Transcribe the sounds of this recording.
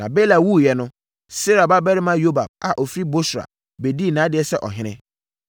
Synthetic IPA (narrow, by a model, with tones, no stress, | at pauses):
nã˨be˦la˨wu˦jɛ˨nʊ̃˦ | se˦ɾa˨ba˦bɛ˦ɾɪ˦mã˦jo˦ba̰˨b̚a̰˨ʔɔ˨fi˦ɾi˦bo˦sɾa̰˨ | be˨di˦˨nãː˨˦dɪ˨ɛ˦sɛ˦ʔɔ̰˨ɦɪ̃˦nɪ̰̃˦